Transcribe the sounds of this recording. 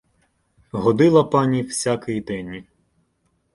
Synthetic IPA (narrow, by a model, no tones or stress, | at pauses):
ɦɔd̪ɪlˠɐpɑnʲiwsʲakɪjid̪ɛnʲ